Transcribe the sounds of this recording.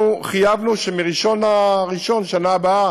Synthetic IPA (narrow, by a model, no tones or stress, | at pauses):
uχijavnuʃemiʁiʃo̞naʁiʃo̞nʃanaːbaa